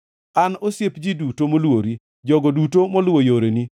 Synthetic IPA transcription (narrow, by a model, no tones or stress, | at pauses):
anosjepd͡ʒidutomolwoɾi | d͡ʒɔɡɔdutomɔlwojoɾeni